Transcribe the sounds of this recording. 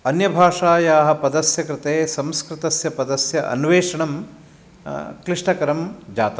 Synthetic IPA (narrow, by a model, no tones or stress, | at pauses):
ɐnjɐbʱaːʂaːjaːɦɐpɐd̪ɐsjɐkɾɪt̪eːsɐmskɾɪt̪ɐsjɐpɐd̪ɐsjɐʔɐ̰nʋeːʂɐɳɐm | kɾiʂʈɐkɐɾɐmd͡ʒaːt̪ɐ